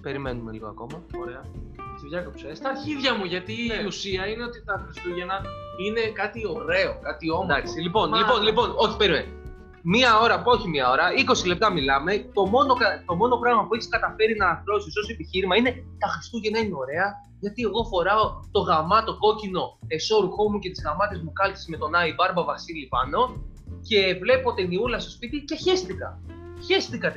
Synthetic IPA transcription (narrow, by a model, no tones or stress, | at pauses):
pe̞ɾimenumeliɣo̞̰ɐ̰ko̞mɐoɾeɐsivʝɐkopu̥sest̪ɐiðʝɐmuʝɐt̪iusiɐine̞o̞t̪it̪ɐxɾist̪uʝe̞nɐine̞kɐt̪io̞ɾe̞o̞kɐt̪iomd̪ɐksilipo̞nlipo̞nlipo̞no̞çi̥pe̞ɾimḛn | miɐo̞ɾɐo̞çimiɐo̞ɾɐiko̞sile̞p̚t̪ɐmilɐme̞t̪o̞mo̞no̞kɐt̪o̞mo̞no̞pɾɐɣmɐpue̞çi̥skɐt̪ɐfe̞ɾinɐːθɾo̞siso̞soepiçiɾimɐine̞t̪ɐxɾist̪uʝɐnɐineo̞ɾe̞ɐ | ʝɐt̪ie̞ɣo̞fo̞ɾɐo̞t̪o̞ɣɐmɐt̪o̞ɡo̞cino̞e̞so̞ɾuxo̞muce̞t̪izɣɐmɐt̪e̞zmukɐlci̥sme̞t̪o̞nɐibɐɾbɐvɐsilipɐno̞ | ce̞vle̞po̞t̪iniulɐst̪o̞spit̪ice̞çe̞st̪ikɐ̰ | çe̞st̪ikɐt̪